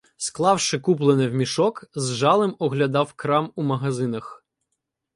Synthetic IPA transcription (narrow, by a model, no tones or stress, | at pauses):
sklˠɑwʃɪkup̬lˠenɪwmʲiʃɔkzʒɑlˠɪmɔɦlʲɐd̪ɑwkɾɑmumɐɦɐzɪnɐx